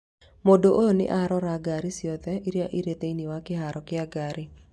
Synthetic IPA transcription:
modoʔojonɪ̰ʔaɾɔɾaɡaɾɪsjɔt̪ɛʔiɾjaʔiɾet̪einiwakɪɦaɾɔkɪaɡaɾɪ

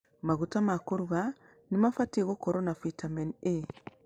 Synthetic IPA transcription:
maɣutamakoɾuɣa | nimafatiɣɔkɔɾɔnafitamɛne

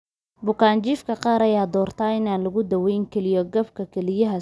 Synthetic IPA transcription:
bʊkʰaːnt͡ʃiːfkʰɐqɑːɾɐjaːd̪ɔːrt̪ʰaːɪnaːnlɐɣʊd̪ɐwɛjŋkʰɛlɪjɔɡɐbkʰɐkʰɛlɪjɐɦɐ

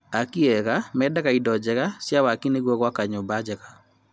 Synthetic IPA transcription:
akiɛɣamɛdaɣaidɔd͡ʒɛɣasjawakineɣwɔɣwakaɲobad͡ʒɛɣa

